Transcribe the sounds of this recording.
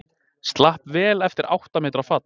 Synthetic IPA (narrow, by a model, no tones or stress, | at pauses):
st̪lahpvɛːlɛft̪ɪɾʔa̰wht̪amɛːt̪ɾafat̪